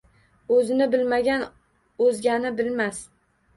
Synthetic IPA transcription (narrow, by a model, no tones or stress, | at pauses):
ɵzɪnɪbɪlmaɡʲan | ɵzɡʲanɪbɪlmas